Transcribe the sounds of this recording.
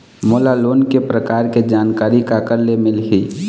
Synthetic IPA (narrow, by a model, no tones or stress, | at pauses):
moːlaloːnkepɾəkaːɾked͡ʒaːnkaːɾikakəɾlemɪlɦiː